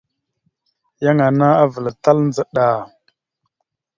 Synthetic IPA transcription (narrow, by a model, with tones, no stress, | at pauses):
ja˦ŋa˨na˦a˦və˨lta˦lnd͡zə˨ɗa˨